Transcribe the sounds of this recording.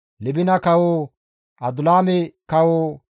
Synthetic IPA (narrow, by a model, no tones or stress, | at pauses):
lɪbɪnɐkɐwo | ʔɐd̪ʊlaːmɛkɐwoː